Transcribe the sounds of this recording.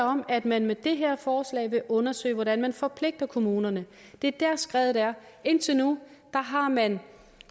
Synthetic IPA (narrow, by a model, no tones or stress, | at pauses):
ɒ̽mæd̥mænmed̥e̝ɦeɐ̰fɒːslɛ̰ɪʋe̝ʔɔ̽nɐsø̰ɪʋɒdænmænfɒ̽pʰle̝ɡ̥̚d̥ɐkʰo̝muːnɐnə | d̥e̝d̥æɐ̰sɡ̥ʁɛːð̩ˠæɐ | e̝n̰t͡sʰe̝nud̥ɑ̈ɦɑ̈mæn